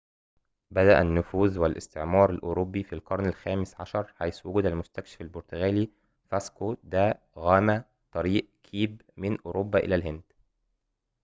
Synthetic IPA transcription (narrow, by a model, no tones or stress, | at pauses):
bæd̪æʔænːʊfuːðwælʔɪ̰st̪eʕmɑːɾˤælʔoɾobːifilqɑɾˤnælxæːmesʕɑʃɑɾˤħajswʊɡuːd̪ælmʊst̪ækʃɪ̥fælboɾt̪oɣæːliː | fæskod̪æ | ɣæːmæ | t̪ˤɑɾiːʔkʰiːbmɪnʔoːɾobːæːʔḛlælhɪnd̪